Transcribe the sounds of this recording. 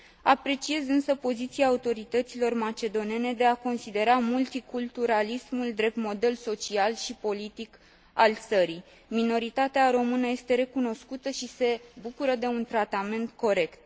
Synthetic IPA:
apɾe̞t͡ʃie̞zɨnsəpo̞zit̪siaːut̪o̞ɾit̪ət̪silo̞rmat͡ʃe̞d̪o̞nie̞ne̞d̪e̞ako̞nsid̪e̞ɾamult̪ikult̪uɾalismuld̪ɾe̞p̚t̪mo̞d̪e̞lso̞t͡ʃialʃipo̞lit̪ik | alt̪səɾi | mino̞ɾit̪at̪eaɾo̞mɨnəje̞st̪e̞ɾe̞kuno̞skut̪əʃise̞bukuɾəd̪e̞unt̪ɾat̪ame̞nt̪ko̞ɾe̞kt̪̚

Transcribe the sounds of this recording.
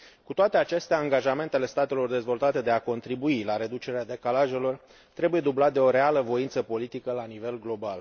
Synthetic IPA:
kut̪oat̪e̞at͡ʃe̞st̪eaaŋɡaʒame̞nt̪ele̞st̪at̪e̞lo̞rd̪e̞zvo̞lt̪at̪e̞d̪e̞ako̞nt̪ɾibuilaɾe̞d̪ut͡ʃe̞ɾead̪e̞kalaʒe̞lo̞r | t̪ɾe̞buje̞d̪ublat̪̚d̪eo̞ɾe̞aləvo̞int̪səpo̞lit̪ikəlanive̞lɡlo̞bal

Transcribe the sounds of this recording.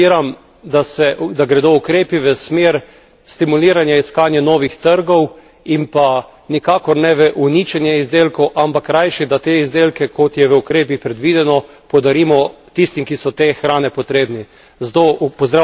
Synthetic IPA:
iɾam | d̪asɛʔd̪aɡɾɛd̪oukɾeːpiʋəsmeːɾ | st̪imuliːɾanjaiskaːnjɛnɔːʋixt̪əɾɡɔw | impa | nikaːkɔɾnɛʋəʔunit͡ʃɛnjɛizd̪eːlkɔwʔampakːɾajʃid̪at̪eizd̪eːlkɛkʰɔt̪jɛʋəukɾeːp̬ixpɾɛd̪ʋiːd̪ɛnɔ | pɔwd̪aɾiːmɔt̪ist̪imkisɔt̪exɾaːnɛpɔt̪ɾeːbni | zt̪opɔzd̪ɾa

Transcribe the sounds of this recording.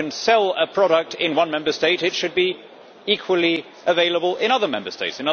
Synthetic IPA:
ɨ̃nsɛlˠəpʰɹ̥ɒɾək̚tʰɪ̃nwʌ̃nmɛ̃mbəsteɪtɨtʃɨd̚bi | ikʰwəlˠi | əveɪləbəlˠɪ̃ɾ̃ʌðə˞mɛ̰̃mbəsteɪtsɨ̃nʌ

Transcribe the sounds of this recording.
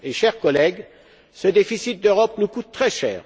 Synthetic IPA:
eʃɛʁkɔlɛɡ | səd̪efisit̪̚d̪øʁɔpnukut̪ːχɛʃɛ̰ːʁ

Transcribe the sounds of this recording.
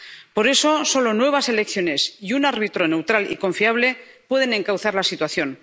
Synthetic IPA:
po̞ɾe̞so̞so̞lo̞nwe̞β̞ase̞le̞kθjo̞ne̞siunaɾβit̪ɾo̞ne̞wt̪ɾalḭko̞ɱfiaβle̞pwe̞ðe̞nẽ̞ŋkawθaɾlasit̪waθjo̞n

